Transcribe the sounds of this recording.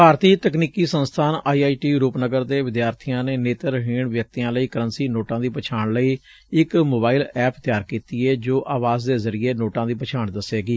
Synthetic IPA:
bʱaːɾt̪iːt̪əkniːkiːsənst̪ʰaːnaːiːaːiːʈiːɾuːpnəɡəɾd̪eːʋɪd̪jaːɾt̪ʰijãːneːneːt̪əɾɦiːɳʋjək̚t̪ijãːləiːkəɾə̃nsiːnoːʈãːd̪iːpət͡ʃʰaːɳləiː | ɪkmoːbaːiɪlɛːpt̪jaːɾkiːt̪iːɛːd͡ʒoːʔʔaːʋaːzd̪eːzəɾieːnoːʈãːd̪iːpət͡ʃʰaːɳd̪əseːɡiː

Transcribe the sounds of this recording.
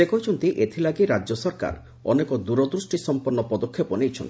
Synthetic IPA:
ekɔjt͡ʃʰɔnt̪iʔet̪ʰilaɡiɾad͡ʒɔsɔɾka̰ɾ | ɔ̰nekɔd̪uɾɔd̪ɾusʈisɔmpɔɾnːɔpɔd̪okʰːepɔnejt͡ʃʰɔnt̪i̥

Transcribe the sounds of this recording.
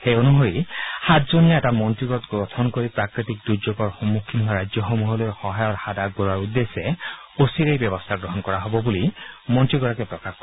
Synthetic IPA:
hejonuɦoɾihat̪zonijaɛtamɔntɹiɡɔt̪ɡɾɔt̪ʰɔnkoɾipɹakɾit̪ik̚d̪uɾd͡ʒoɡɔɹxɔmːukʰːinɦaɾad͡ʒjɔxɔmuɦɔlɔɾxɔɦajɔɾhad̪aɡ̚bɔɾaɹud̪ːeseosiɾejbjɔbɔst̪ʰaɡɹɔɦɔnkɔɹaɦɔbɔbulimɔntɹiɡɔɹakepɹɔkaxkɔ

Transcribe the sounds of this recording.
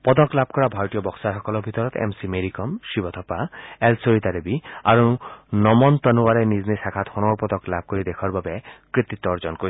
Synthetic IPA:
pɔd̪ɔklab̚ʱkɔɾabʱajɔt̪ijɔbɔksaɾɦɔkɔlɔbʱit̪ɔɾɔt̪ḛmsimeɾikɔmʃibɔt̪ʰɔpaelsoɾit̪aɾebia̰ɾunɔmɔnt̪ɔnuwaɾeniznisakʰat̪hɔnɔɾpɔd̪ɔklab̚ʱkoɾid̪ekʰɔɾbabekɹit̪it̪ːɔɾd͡ʒɔnkoɾi

